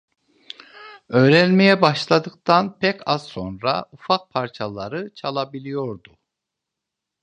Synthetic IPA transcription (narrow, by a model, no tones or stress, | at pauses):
ø̞ːɾænmejɛbaʃlˠad̪ɯk̚t̪ʰanpʰɛcʰazso̞nɾa̰ufak̚pʰaɾt͡ʃʰalˠaɾɯt͡ʃʰalˠabilʲijo̞ɾd̪u